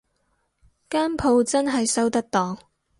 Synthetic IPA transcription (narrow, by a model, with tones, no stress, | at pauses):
kaː˥npʰo˨˧wt͡sɐ˥nɦɐ˨jsɐ˥wt̪ɐ˥k̚t̪ɔː˨ŋ